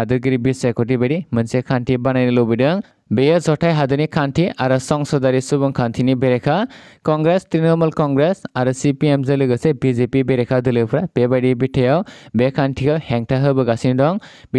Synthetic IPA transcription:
adɯɾɡɯɾibisekut̬ibaɾimɯnsekʰantʰibanajnɯlɔbidɯŋ | bejəzɔtʰajɦadɯnikʰantʰiaɾɯsɔŋsɔdaɾisubɔŋkʰantʰinibeɾekʰakɔŋɡɾestɾinɔmɐlkɔŋɡɾesaɾɯsipiemzɯlɯɡɯsebizepibeɾekʰadɯlɯwpʰɾab̥ebaɾibitʰejawbekʰantʰikʰahɛŋtʰaɦɯbɯɡasinidɔŋb

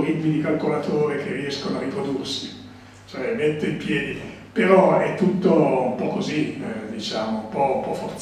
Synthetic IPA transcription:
ɾit̪mid̪ikalkolat̪ʰoːɾik̟erːiɛskonoarːipɾod̪ursi | t͡ʃoɛmet̪ːeimpjɛːd̪i | peɾɔɛt̪ːut̪ːoumpɔkːozid̪it͡ʃaːmoumpɔumpɔfːort̪

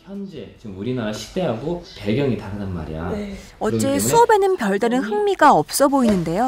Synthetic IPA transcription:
çjʌnd͡ʑe̞t͡ɕiɯmuɾinaɾaɕʰi̥k̚t͈e̞ɦaɡope̞ɡjʌŋitaɾɯnanma̰ɾḭja̰ | ʌt͡ɕ͈e̞sʰuʌbe̞nɯnpjʌɭdaɾɯnhɯŋmiɡaʌp̚s͈ʌboinɯnde̞jo

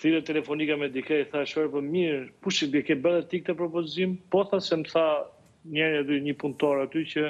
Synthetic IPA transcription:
θiɾɛt̪ːɛlɛfɔnikamɛd̪ikaiθaʃpɛɾpəmiɾpuʃɛd̪ɛkɛbəðɛt̪ik̚t̪əpɾɔpɔzimpɔθasɛmθa | ɲɛɾjad̪yɲəpunt̪ɔɾat̪ycə

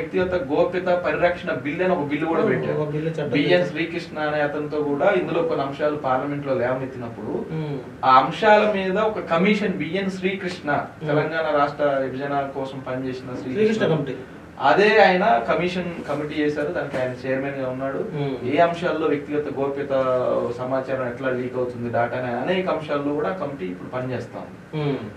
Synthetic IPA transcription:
jk̚t̪iɡɐt̪ɐɡoːpit̪ɐpɐɾiɾɐkʂɐɳɐbilːiɐnɐɔkɐbilːikuːɽaːpɛʈːa̰ːilːit͡ʃbijɐnsɾiːkɾiʂɳɐːneːɐt̪ɐnt̪oːkuːɽaːind̪ulo̞ːkonːiɐmʂaːlupaːɾlɐme̞ɳʈloːlɛːʋɐmit̪ːinɐpːuɽu | aːɐmʂaːlɐmiːd̪ɐɔkɐkɐmiʂɐnbijɐnʃɾiːkɾiʂɳɐt̪ɛlɐŋɡaːnɐɾaːʂʈɾɐibʱid͡ʒɐnaːlɐkɔːsɐmpɐnit͡ʃeːsinɐʃɾiːkːɐɐmʈi | ɐ̰d̪e̞ːaːjɐnɐkɐmiːʂɐnkɐmiʈiːt͡ʃeːsaːɾud̪aːnikʲiaːjɐnɐt͡ʃɛːjɐɾmeːnɡaːunːaːɽueːɐmʂaːlːo̞ːʋjɐk̚t̪iɡɐt̪ɐɡo̞ːɾpit̪ɐsɐmaːt͡ʃaːɾɐmɛʈlaːliːkɐwut̪und̪id̪aːʈɐneːɐneːkɐɐmʂaːlːoːkuːɽaːkɐmiʈiːpːuɽupɐnit͡ʃeːst̪a̰ːuni

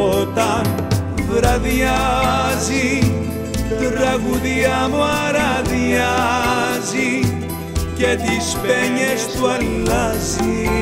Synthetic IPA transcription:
ot̪ɐn | ðɾɐðiazi | t̪ɾɐɣuðiamuaɾaðia | zi | cet̪ispɛɲest̪uɛlɐzi

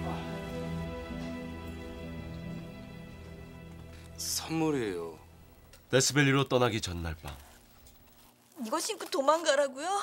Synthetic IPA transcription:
sʰʌmːuɾejo | tesʰɯbeʎːiɾot͈ʌnaɡit͡ɕʌnːaɭp͈a̰ | iɡʌɕʰinkɯtomanɡaɾaɡujo

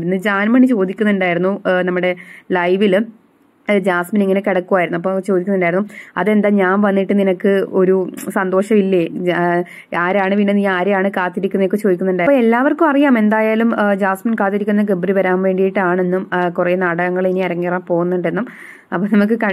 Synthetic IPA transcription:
nːɨd͡ʑaːnmɐɳit͡ɕo̞ːd̪ikʲːunːuɳɖaːjiɾunːunɐmːuɽe̞lɐjʋil | d͡ʑaːsminiŋːɐnekeɽɐkːuʋaːjɾnuɐpːot͡ɕo̞ːd̪ikʲːunːuɳɖaːjɾunːuɐ̰ðe̞nd̪aɲaːnʋɐnːiʈːɨninɐkːɨo̞ɾusɐnd̪o̞ːʂɐmilːe | aːɾaːɳɨʋinːenːiaːɾeaːɳɨkaːt̪ːiɾikʲːunːekːɨt͡ɕo̞ːd̪ikʲːunːuɳɖaːjoelːaːʋɐrkumɐrijaːme̞nd̪aːjaːlumd͡ʑaːsminkaːt̪ːiɾikʲːunːɐɡ̬ebriʋɐɾaːmʋe̞ːɳɖijiʈːaːɳe̞nːumkure̞ːnaːɽɐɣɐŋːɐɭiniɐɾɐŋːeːraːmpo̞ːɣunːuɳɖenːum | ɐpːoːnɐmuk̬ːɨkɐ

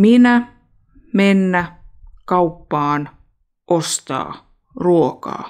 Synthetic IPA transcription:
minæ | menːækɑupːɑːn | ʔost̪ɑ̰ː | ruokɑ̰ː

